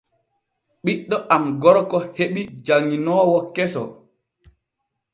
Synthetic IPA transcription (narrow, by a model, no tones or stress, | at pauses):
ɓiɗːɔʔamɡɔɾɔkɔheɓid͡ʒaŋːinɔːwɔkɛsɔ̰